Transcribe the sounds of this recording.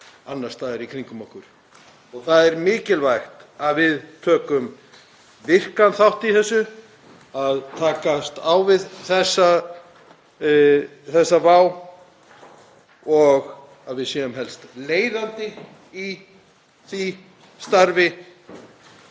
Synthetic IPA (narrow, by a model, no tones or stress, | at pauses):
anːḁst̪aðɛɾikʰɾiŋkʏmɔhkʏɾ̥ | ɔɣθaðɛɾmɪːcɪlvajxt̪aðvɪðt̪ʰœːkʏm | vɪr̥kanθawht̪iθɛsːʏ | aðt̪ʰaːkast̪awvɪðθɛsːa | θɛsːavaːw | ɔɣ | aðvɪðsjɛːðʏmɦɛlst̪leːjðant̪ɪ | i | θi | st̪aɾvɪ